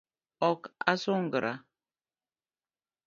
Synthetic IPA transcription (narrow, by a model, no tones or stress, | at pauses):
ɔka̰soŋ̩ɡəɾa